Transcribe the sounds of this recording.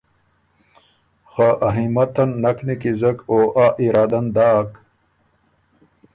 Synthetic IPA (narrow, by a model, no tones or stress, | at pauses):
xaʔɐɦimɐt̪ɐnːɐknikizɐkoːʔaːʔiɾaːd̪ɐnd̪aːk